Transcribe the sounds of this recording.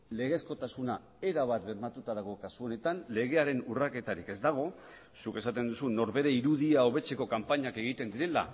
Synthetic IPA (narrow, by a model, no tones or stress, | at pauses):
le̞ɣe̞sko̞t̪asuna | e̞ɾaβ̞at̪beɾmat̪ut̪aðaɣ̞o̞kasuo̞ne̞t̪anle̞ɣe̞aɾe̞nurake̞t̪aɾike̞zd̪aɣ̞o̞ | suke̞sat̪e̞nd̪usunːo̞ɾβe̞ɾe̞iɾuðiao̞βe̞t͡se̞ko̞kampaɲake̞ɣ̞it̪e̞nd̪iɾe̞la̰